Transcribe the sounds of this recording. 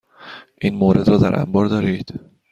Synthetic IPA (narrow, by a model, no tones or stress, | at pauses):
ʔiːnmoːɾe̞d̪ɾɒːd̪æ̰ɾʔæ̰mbɒːɾd̪ɒːɾiːd̪̥